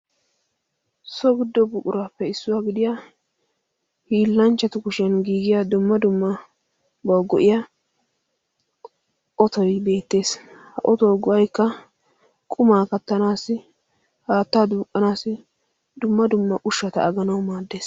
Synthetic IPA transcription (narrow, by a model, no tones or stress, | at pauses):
sɔɡɪd̪ːɔbʊkʼʊɾaːpːɛɪsːʊwaːɡɪd̪ɪja | hiːlːɐnt͡ʃːɐt̪ʊkʊʃɐnɡiːɡɪjad̪ʊmːɐd̪ʊmːɐ | bɐwɡɔʔɪja | ʔɔt̪ɔjbe̞ːt̪ːe̞ːshɐ̰ʔɔt̪ɔwɡɔʔɐjkːɐ | kʼʊmaːkɐt̪ːɐnaːsɪ | haːt̪ːaːd̪uːkʼːɐnaːsɪ | d̪ʊmːɐd̪ʊmːɐʔʊʃːɐt̪ɐ̰ːɡɐnɐwmaːd̪ːe̞ːs